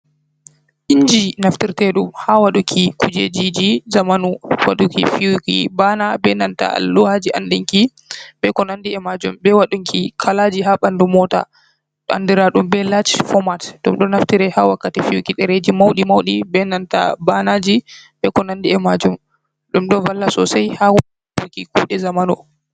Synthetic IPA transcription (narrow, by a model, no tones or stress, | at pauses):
ʔiɲd͡ʒinaftiɾtɛɗumhawaɗukʰikud͡ʒḛd͡ʒid͡ʒizamanuwa̰ɗukifiukḭbanabɛnanta̰a̰lːɔhad͡ʒiʔandiŋki | bɛkɔnandiɛmad͡ʒumbɛwaɗuŋkʰikʰalad͡ʒiɦaɓandumɔta̰ | ɗa̰ndiɾaɗumbɛlat͡ʃfɔmatɗumɗɔnaftiɾɛhawakːatifijukiɗɛɾed͡ʒimawɗimawɗibɛnanta̰banad͡ʒibɛkɔnandiɛmad͡ʒum | ɗumɗɔvalːasɔ̰sajhaw | bukikuːɗɛzamanu